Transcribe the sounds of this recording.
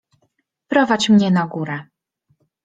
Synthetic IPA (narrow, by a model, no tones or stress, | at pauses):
pɾɔvat͡ɕmɲɛnaɡuɾɛ